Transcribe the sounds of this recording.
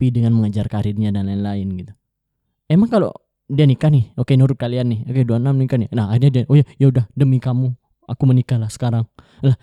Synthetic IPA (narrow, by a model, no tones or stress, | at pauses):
pidəŋanməŋad͡ʒarkaɾirɲadanlaɪnlaɪnɡit̪u̥ | emaŋkalo̰ | dianikanɪhokenuɾʊt̪̚kalianːɪhokeduanamnikanɪnaɦahirɲadiaʔojajaudahdəmikamu | a̰kumənikalahsə̥kaɾaŋ | lah